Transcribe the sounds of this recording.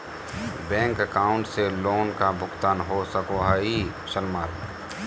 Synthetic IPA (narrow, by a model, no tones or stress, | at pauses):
bɛ̃ːŋkəkaːʊ̃ɳʈseloːnkabʱʊkt̪aːnɦosəkoɦaːi | ʃəlmaːl